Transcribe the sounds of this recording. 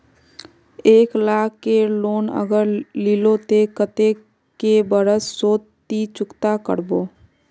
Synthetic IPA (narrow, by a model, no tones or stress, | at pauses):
eːklaːkːeloːnə̰ɡəɾlilot̪ekət̪e | kebəɾəssoːtː | it͡ʃʊkt̪akə̰ɾboː